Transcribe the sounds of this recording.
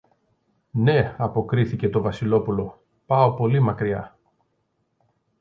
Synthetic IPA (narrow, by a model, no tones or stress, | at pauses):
ne̞ɐpo̞kɾiθice̞t̪o̞vɐsilo̞pulo̞ | pɐo̞po̞limɐkɾiɐ̰